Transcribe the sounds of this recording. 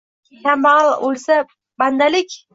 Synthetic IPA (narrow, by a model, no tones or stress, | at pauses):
kʲʰamalˠolsa | band̪alɪkʲ